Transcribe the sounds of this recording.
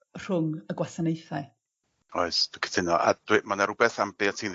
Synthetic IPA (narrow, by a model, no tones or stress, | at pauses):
r̥ʊŋəɡwasanejθaj | ɔɨsd̥kʰə̥tʰɪnɔʔa̰d̥wɪmanaɾʊbɛθamb̥ɪɔtʰiːn